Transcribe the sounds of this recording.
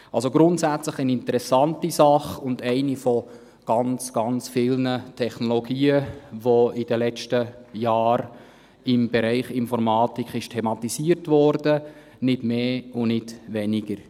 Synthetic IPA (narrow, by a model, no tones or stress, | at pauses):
ɑlsoɡɾʊntsæt͡sləχɛnɪntəɾɛsɑntisɑχʊndɛɪnifɔ | ɡ̥ɑnt͡sɡ̥ɑnt͡sfɪlnətʰɛχnoloɡ̥iːəʋoɪd̥əlɛt͡ʃtəjɑːɾ | ɪmbɛɾɛɪχɪnfɔɾmɑːtikʰɪʃtʰɛmɑtisiːəɾtvɔɾdə | nɪdmeːʊnɪdʋɛniɡ̥əɾ